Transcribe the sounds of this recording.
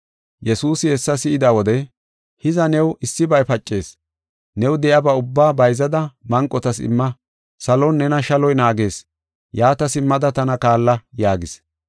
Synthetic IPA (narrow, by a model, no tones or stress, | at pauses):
jɛsuːsɪhɛsːɐsɪʔɪd̪aːwɔd̪ɛ | hɪzɐnɛwɪsːɪbɐjpɐt͡ʃʼːe̞ːs | nɛwd̪ɛjabɐʊbːaːbɐjzɐd̪ɐmɐŋkʼːɔt̪ɐsɪ̰mːɐ | sɐlɔnːɛnɐʃɐlɔjnaːɡe̞ːs | jaːt̪ɐsɪmːɐd̪ɐt̪ɐnɐkaːlːɐjaːɡɪs